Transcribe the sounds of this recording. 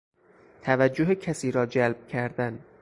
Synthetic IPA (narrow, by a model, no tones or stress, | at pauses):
t̪ʰævæd͡ʒːoɦecʰæsiːɾɒːd͡ʒælb̥̚cʰæɾd̪æn